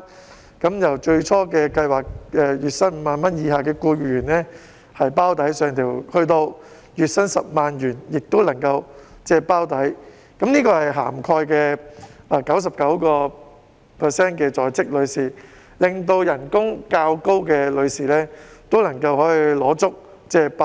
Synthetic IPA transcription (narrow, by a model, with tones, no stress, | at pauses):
kɐ˨˥mjɐ˨˩wt͡ʃɵ˧ɥt͡ʃʰɔː˥kɛː˧kɐ˧jwaː˨k̚ɛ˧jyː˨t̚sɐ˥nm̩˨˧maː˨˧nmɐ˥njiː˨˧haː˨kɛː˧kuː˧jy˨jyː˨˩nlɛː˥ | hɐ˨jpaː˥wt̪ɐ˨˥jsœː˨˧ŋt̪ʰiː˨˩whɵ˧ɥt̪o˧w | jyː˨t̚sɐ˥nsɐ˨p̚maː˨njyː˨˩njɪ˨k̚t̪o˥wlɐ˨˩ŋkɐ˧w | t͡sɛː˧paː˥wt̪ɐ˨˥j | kɐ˨˥mniː˥kɔː˧hɐ˨˩jɦa̰ː˨˩mkʰɔː˧jkɛː˧a˧kɐ˨˥ws̬ɐ˨p̚kɐ˨˥wkɔː˧ | pʰɛ˨˩sɛː˥nkɛː˧t͡sɔː˨jt͡sɪ˥k̚lɵ˨˧ɥsiː˨˩ | lɪ˨ŋt̪o˧wjɐ˨˩nkʊ˥ŋkaː˧wko˥wkɛː˧lɵ˨˧ɥsiː˨lɛː˥t̪o˥wlɐ˨˩ŋkɐ˧whɔː˨˥ji˧lɔː˨˥t͡sʊ˥k̚ | t͡sɛː˧˥pa˥